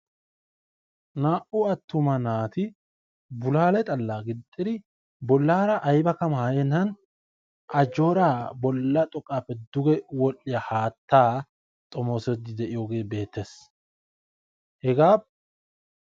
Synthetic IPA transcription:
naːʔʊɐt̪ːʊmɐnaːt̪ɪ | bʊlaːlɛt̪ʼɐlːaːɡɪt̪ʼːɪd̪ɪ | bɔlːaːɾɐʔɐjbɐkɐmaːjenːɐn | ʔɐd͡ʒo̞ːɾaːbɔlːɐt̪ʼɔkʼːaːpːɛd̪ʊɡɛwɔlːɪjahaːt̪ːaː | t̪ʼɔmoːsɛd̪ɪd̪ɛʔɪjo̞ːɡe̞ːbe̞ːt̪ːeːs | hɛɡaːb

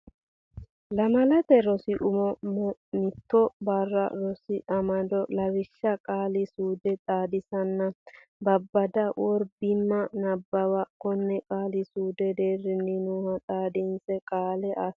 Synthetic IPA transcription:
lɐmɐlɐt̪ɛɾɔsɪʔʊmɔmnɪt̪ːɔbɐrːɐ̰ɾɔsɪʔɐmɐd̪ɔlɐwɪʃːɐkʼaːlɪsuːd̪ɛt̪ʼaːd̪ɪsɐnːɐ | bɐbːɐd̪ɐwɔɾbɪmːɐnɐbːɐwɐkɔnːɛkʼaːlɪsuːd̪ɛd̪eːrːɪnːɪnuːhɐt̪ʼaːd̪ɪnsɛkʼaːlɛʔɐs

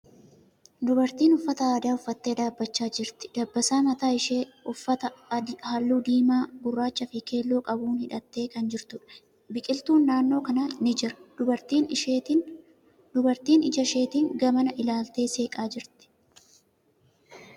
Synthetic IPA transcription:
d̪ʊbɐɾt̪iːnʊfːɐt̪ɐaːd̪aːʊfːɐt̪ːe̞ːd̪aːbːɐt͡ʃːaːd͡ʒɪɾt̪ɪ̥d̪̥ɐbːɐsaːmɐt̪aːɪʃeːʊɐt̪ɐhaːlːuːd̪iːmaːɡʊrːaːt͡ʃːɐfɪke̞ːlːoːkʼɐbuːnhɪᶑɐt̪ːe̞ːkɐnd͡ʒɪɾt̪ʊᶑɐ̥ | bɪkʼɪlt̪uːnːaːnːo̞ːkɐnɐnɪd͡ʒɪɾɐ̥d̪ʊbɐɾt̪iːn | ʊbɐɾt̪iːnɪd͡ʒɐʃe̞ːt̪ɪŋɡɐmɐnɐʔɪlaːlt̪e̞ːse̞ːkʼaːd͡ʒɪɾt̪ɪ̥

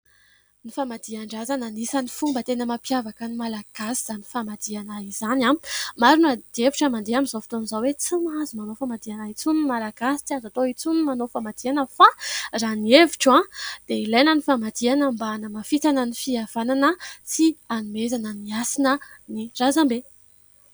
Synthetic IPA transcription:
nifamad̪iaɳɖ͡ʐazananisanifumbət̪enəmapjavakənimalaɡ̥asi̥z̥ani̥famad̪̥ianaizanamaɾinad̪̥ieviʈ͡ʂamand̪eamizowfi̥t̪onizawet͡simazumanofamad̪ianait͡sunimalaɡasi̥t͡siazat̪oit͡sunimanofamad̪̥ianəfaranieviʈ͡ʂãd̪̥eilajnənifamad̪ianəmbanəmafit̪anənifiav̥ananət͡sianumezanəniasinənirazambe

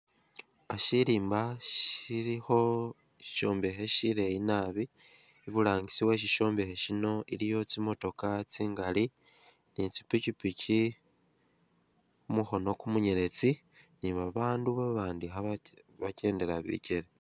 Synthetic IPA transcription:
aʃiɾiːmbaʃiɾiho̞ | i̥ʃo̞ːmbe̞ɦeʃiɾeinaβiː | βuɾaːɲɡisiwe̞ʃ̬iʃo̞ːmbe̞heʃino̞iɾijo̞t͡simo̞to̞kat͡siːŋɡali | nit͡si̥picipicʰi | umuxo̞no̞kumuɲeɾe̞t͡si | niβaβaːnduβaβaːndiɦa | βace̞ːnde̞ɾaβḭceɾe

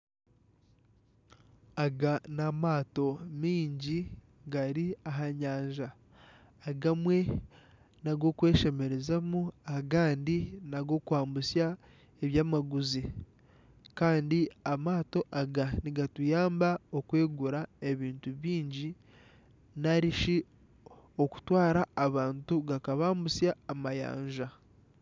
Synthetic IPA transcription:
aɡanamaːto̞miːɲɟi | ɡaɾiaɦaɲaːɲʒaː | ɡamwe̞ | naɡo̞kwe̞ːʃe̞me̞ɾe̞zamuaɡaːndinaɡo̞kwaːmbusja | eβjaːmaɡuzi | kaːndiamaːto̞ʔaɡaniɡatujaːmbaokwe̞ːɡuɾae̞βiːntuβiːɲɟi | naɾiʃi | oku̥twaːɾaːβaːntuɡakaβaːmbusjaːmaja̰ːɲʒa

